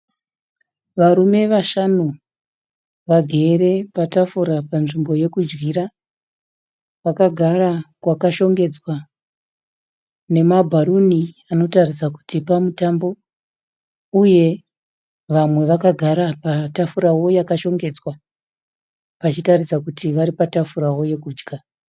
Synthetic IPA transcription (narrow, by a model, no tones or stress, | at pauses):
ʋaɾume̞ʋaʃanu | ʋaɡʱe̞ːɾe̞patafuɾapanʐimbo̞je̞kud͡ʒɡiɾa | ʋakaɡʱarakwakaʃo̞ŋɡe̞d͡zwa | ne̞mabʱaɾuniano̞tarisaku̥tipamutambo̞ | uje̞ | ʋamwe̞ʋakaɡʱaɾapatafuɾawo̞jakaʃo̞ŋɡe̞d͡zwa | ʋat͡ʃitarisakutiʋaɾipatafuɾawo̞je̞kuːd͡ʒɡa